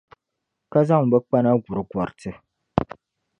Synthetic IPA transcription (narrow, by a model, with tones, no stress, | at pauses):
ka˦za˦ŋ̩˨bɛ˦k͡pa˦na˦ɡu˨ɾɨ˨ɡwɔ˨ɾtɨ˦